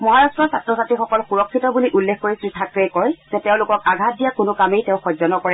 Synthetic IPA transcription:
mɔɦaɹastɹɔsatɹɔsatɹixɔkɔlxuɹɔkʰːitɔbuliʔulːekʰkoɹisɹitʰakɹejkɔjzɛteʊ̃lʊkɔk̚aɡʱat̚dijakʊnʊkamejtẽʊ̃xɔzɔnɔkɔɹɛ

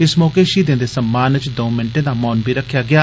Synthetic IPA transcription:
ɪsmɔːkeːʃiːd̪ɪ̃nd̪eːsəmːaːnət͡ʃd̪õːmɪnʈẽːd̪aːmɔːnbʱiːɾəkʰːjaːɡɪjaː

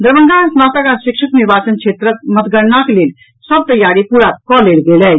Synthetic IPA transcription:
d̪əɾʋənɡ̪asnat̪əkaʃikʃəkniɾbat͡ʃənt͡ʃʰet̪ɾək̚mət̪ɡəɽnaklel | səb̚t̪əjːaɾipuɾakɔlelɡelɛ

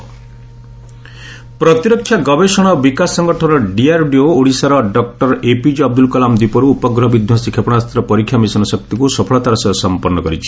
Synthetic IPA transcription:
pɾɔt̪iɾɔkʰːjaɡɔbesɔɽ̃ɔbikasɔŋɡɔʈʰɔnɔɖiaɾɖiooɽisaɾɔɖɔk̚ʈɔɾepid͡ʒɔb̚d̪ulkɔlamd̪ipɔɾuːpɔɡɾɔɦbid̪ʱjɔsikʰepɔɽ̃ast̪ɾɔpɔɾikʰjamisɔnɔsɔk̚t̪ikusɔpʰɔɭɔt̪aɾɔsɔsɔmpɔnːɔkɔɾit͡ʃʰi̥

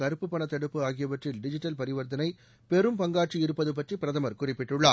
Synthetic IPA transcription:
kɐɾɯpːɯpːɐɳɐt̪ːɐɽɯpːɯaːɣɪjɐʋɐʈrɪlɖɪd͡ʒɪʈːɐlpɐɾɪʋɐɾd̪ɐnɐɪ | pɛɾɯmpɐŋɡaːʈ̚t͡ʃiɪɾɯpːɐðɯp̬ɐʈripɪɾɐðɐmɐɾkʊrɪpːɪʈːɯɭːaː

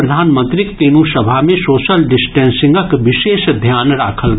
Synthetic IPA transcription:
ɾɐd̪ʱaːnmə̃nt̪ɾikt̪eːnũsɐbʱamẽsoːʃəlɖɪsʈɛ̃ːnsɪ̃ŋɡəkʋɪʃeːʃd̪ʱjaːnɾaːkʰəl

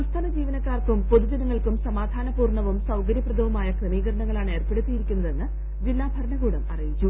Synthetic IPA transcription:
ust̪ʰɐnɐd͡ʑiːʋɐnɐkːaːrkumpo̞ðud͡ʑɐnɐŋːɐɭkumsɐmaːd̪ʱaːnɐpuːrɳɐʋumsɐwkɐɾjɐprɐd̪ʱɐʋumaːjɐkrɨmiːɣɐɾɐɳɐŋːɐɭaːɳe̞ːrpeɽut̪ːijiɾikʲːunːɐðe̞nːɨ | d͡ʑilːaːbʱɐɾɐɳɐɣuːɽɐmɐ̰rijit͡ɕːu

